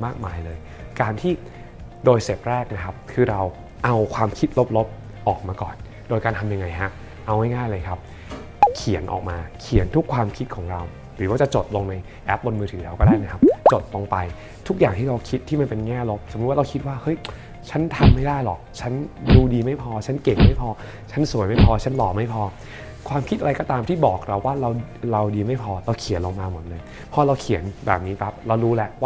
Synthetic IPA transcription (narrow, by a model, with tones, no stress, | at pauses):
maː˥˩k̚maː˧jlɤː˧j | kaː˧nt̪ʰiː˥˩ | doː˧jse˨˩p̚ɾɛː˥˩k̚na˦˥kʰa˦˥p̚kʰɯː˧ɾa˧w | ʔa˧wkʰwaː˧mkʰi˦˥t̪̚lo˦˥p̚lo˦˥p̚ | ʔɔː˨˩k̚maː˧kɔ̰ː˨˩n | doː˧jkaː˧nt̪ʰa˧mja˧ŋa˧jɦa˦˥ | ʔa˧wŋa˥˩jŋaː˥˩jlɤː˧jkʰa˦˥p̚ | kʰi˩˦ə˦nʔɔ̰ː˨˩k̚maː˧kʰi˨˩˦ənt̪ʰu˦˥kʰwaː˧mkʰi˦˥t̪̚kʰɔː˩˦ŋɾa˧w | ɾɯː˩˦waː˥˩t͡ɕa˨˩t͡ɕo˨˩t̪̚lo˧ŋna˧j | ʔɛ˦˥p̚bo˧nmɯː˧ɯː˩˦lɛː˦˥wkɔː˥˩daː˥˩jna˦˥kʰa˦˥p̚t͡ɕo˨˩t̪̚lo˧ŋpa˧j | t̪ʰu˦˥k̚jaː˨˩ŋt̪ʰiː˥˩ɾa˧wkʰi˦˥t̪ʰːiː˥˩ma˧npe˧nŋɛː˥˩lo˦˥p̚so˨˩˦m̚˦wa˥˩ɾa˧wkʰi˦˥t̪̚waː˥˩hɤ˦˥j | t͡ɕʰa˦˥nt̪ʰa˧mːa˥˩jdaː˥˩jlɔ̰˨˩k̚t͡ɕʰa˦˥nduː˧diː˧ma˥˩jpʰɔː˧t͡ɕʰa˦˥nke˨˩ŋ̚ma˥˩jpʰɔː˧ | t͡ɕʰa˦˥nsu˨˩˦jma˥˩jpʰɔː˧t͡ɕʰa˦˥nlɔː˨˩ma˥˩jpʰɔː˧ | kʰwaː˧mkʰi˦˥t̪ʔa˧a˧jkɔː˥t̪aː˧mt̪ʰiː˥˩bɔː˨˩k̚ɾa˧wːaː˥˩ɾa˧w | ɾa˧wdiː˧ma˥˩jpʰɔː˧ɾa˧wkʰi˨˩˦nlo˧ŋmaː˧mo˨˩˦n̚lɤ˧ŋ | pʰɔ˧˥˩ɾa˧wkʰi˨˩˦nbɛː˨˩p̚niː˦˥pʰa˦˥p̚ɾa˧wɾuː˦˥lɛ˦˥ʔwaː˥˩